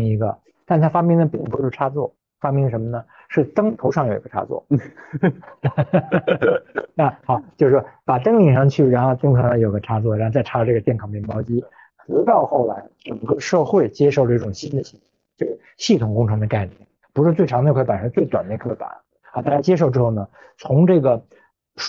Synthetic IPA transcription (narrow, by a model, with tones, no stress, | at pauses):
i˧˥ɡə̰˧ | t̪a˥˧˩n˩t̪ʰa˥˧fa˥mpjɛ˥˧ŋd̪ə˩pi˥˩ŋp̪u˧˥o˥˧˩ʈ͡ʂʰa˥t͡swɔ˥˩ | fa˥pjɛ˥˧ŋd̪ə˩ʂə˧˥mə˧nə˩ | ʂɻ̩˥˩t̪ɤ˥ŋt̪ʰo˧˥ʊʂ̬ɑ˥˩ŋji˧˥ɡə˧ʈ͡ʂʰa̰˥t͡swɔ̰˥˩ | na˥˩xɑ˨˧˦t͡ɕjo˥˧ʊʂ̩˩˥˩pa˨˩t̪ɤ˥ŋli˥˩ŋʂɑ˥˧ŋt͡ɕʰy˥˩ɻa˧˥nxo˥˧ʊt̪ɤ˥ŋkʰɤ˧˥ʂɑ˥˩jo˨˩ɡə˧ʈ͡ʂʰa˥t͡swɔ˥˩ɻa˧˥xo˥˧t͡sa˥˩ɪʈ͡ʂʰa˥˧ʈ͡ʂɤ˥˩ɡə˩t̪jɛ˥˩nkʰɑ˨˩ŋmɛ˥˩mɑ˥ʊt͡ɕi˥ | t͡s̩˧˥t̪ɑ˥˧ʊxo˥˩ʊla̰˧˥ɪʈ͡ʂə˨˩ŋkɤ˥˧ʂɤ˥˧xwe˥˩ɪt͡ɕjɛ˥ʂo˥˩ʊlə˧i˥˩ʈ͡ʂʊ˨˩ŋɕi˥nd̪ə˨t͡ɕʰi˧˥˩t͡ɕjo˥˧ʊʂɻ̩˥˩ɕi˥˩t̪ʰʊ˨˩ŋkʊ˥ŋʈ͡ʂʰɤ˧˥ŋd̪ə˧ka˥˧ɪnjɛ̰˥˩n | pu˧˥ʂɻ̩˥˧t͡swe˥˩ɪɑ˧˥ŋe˥˧kʰpə˨˩ʂə˥t͡swe˥˩ɪt̪wa˨˩nə˥˧kʰe˥˩pa̰˨˩˦ | t̪a˥˩t͡ɕa˥t͡ɕjɛ˥ʂ̬o˥˩ʊʈ͡ʂɻ̩˥xo˥˩ʊnə˩ | t͡sʰʊ˧˥ŋʈ͡ʂɤ˥˩ɡə˩